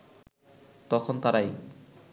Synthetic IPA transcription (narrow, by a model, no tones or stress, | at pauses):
t̪ɔkʰont̪aɾaj